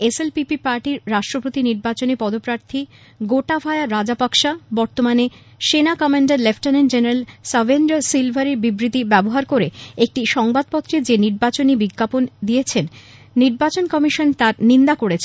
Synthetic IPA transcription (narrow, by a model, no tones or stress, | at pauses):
eselpipipaɾʈiɾɾaʃʈɾopot̪iniɾbat͡ɕonipɔd̪opɾaɾt̪ʰi | ɡoʈabʱaeaɾad͡ʑapakʃabɔɾt̪omane | ʃenakɔmaɳɖaɾlefʈanend͡ʑenaɾalsabʱenɖosilbʱaɾiɾbibɾit̪ibɛboɦaɾkoɾeek̚ʈiʃɔŋbad̪̚pɔt̪ːɾed͡ʑeniɾbat͡ɕonibiɡːapond̪ijet͡ɕʰenː | iɾbat͡ɕonkɔmiʃont̪aɾnind̪akoɽet͡ɕʰe